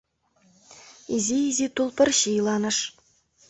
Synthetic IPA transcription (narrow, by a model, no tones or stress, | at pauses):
izʲiizʲit̪ulˠpʲɘ̆rʲɕilˠɑnɤ̆ʂ